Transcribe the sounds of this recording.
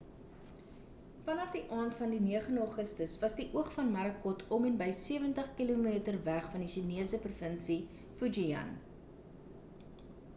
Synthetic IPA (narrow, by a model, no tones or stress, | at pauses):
fɐnɐfdiʔɑːntfɐndiniəχəndɑːχəstəsvɐsdiʔuəχfɐnmɐɾəkɔtʰɔmɛnbəjsiəvəntəχkilumiːtərvæχfɐndiʃiniəsəprufənsi | fud͡ʒiɐ̰n